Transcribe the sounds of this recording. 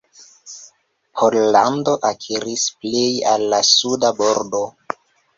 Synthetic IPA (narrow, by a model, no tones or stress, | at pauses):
pʰollando̞ʔakʰiɾisplejalːasudabo̞ɾdo̞